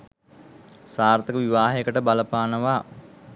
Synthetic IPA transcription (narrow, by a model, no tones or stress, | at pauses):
saːrt̪əkəʋiʋaːɦekəʈəbaləpaːnəʋaː